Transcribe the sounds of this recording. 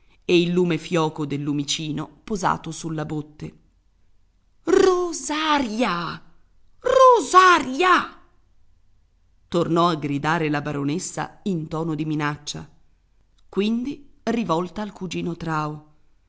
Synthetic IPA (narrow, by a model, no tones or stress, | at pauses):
eilːuːmefjɔːkod̪elːumit͡ʃiːnopoza̰ːt̪osulːabot̪ːe | rozaɾja | rozaɾja | t̪ornɔaɡɾid̪aːɾelabaɾonesːa̰int̪ɔːnod̪iminat͡ʃːa̰ | kwind̪irivɔlt̪aːlkud͡ʒiːnot̪ɾaːo